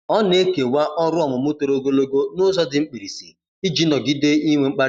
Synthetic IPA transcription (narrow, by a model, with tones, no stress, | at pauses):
ɔ˦ne˦ke˨wa˦ʔɔ˦ɾʊ˦ɔ˨mʊ˨mʊ˦to˨ɾo˦ɡo˦lo˦ɡo˦nʊ˦zɔ˦dɪ˨ŋ͡m̩˦k͡pi˨ɾi˨sḭ˨ | i˦d͡ʒi˨˦nɔ˨ɡɪ˦de˦i˦ŋʷe˨ŋ͡m̩˦k͡pa˦ɾ